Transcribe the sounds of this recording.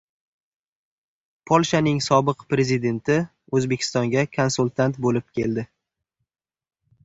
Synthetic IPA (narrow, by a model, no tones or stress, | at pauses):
pʰolˠʃanɪŋsɒbɨqpɾe̞zɪd̪e̞nt̪ʰɪ | ɵzbekʲʰɪ̥st̪ɒŋɡʲakʰonsulˠt̪ʰant̪bolɪp̚kʲe̞ld̪ɪ